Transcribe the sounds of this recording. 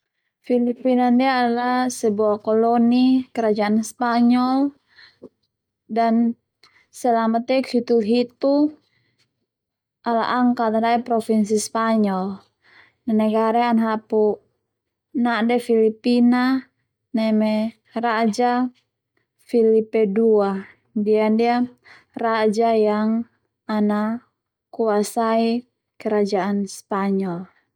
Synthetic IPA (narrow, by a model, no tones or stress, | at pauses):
filipinandiaːlasɛbuakɔlɔnikɛɾad͡ʒaanspaɲɔl | dan | sɛlamat̪ɛkhit̪ulɦit̪u | ala̰ʔaŋkat̪andaipɾɔfins̬ispaɲɔl | nanɛɡaɾɛanɦapu | naʔdɛfilipina | nɛmɛ | rad͡ʒa | filipɛdua | diandia | rad͡ʒajaŋ | ana | kuasai | kɛɾad͡ʒaanspaɲɔl